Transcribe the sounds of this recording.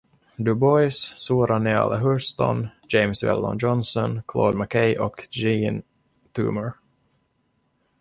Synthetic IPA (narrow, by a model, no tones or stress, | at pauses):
d̪ɵbɔjssuːɾanea̰lʔaɦɵst̪ɔ̰nd͡ʒɛɪmsvɛ̰ld̪ɔ̰nd͡ʒɔnsɔnkʰlo̰ːd̪makʰɛjʔɔkd͡ʒiːn | t̪ʰʉ̰ːməɹ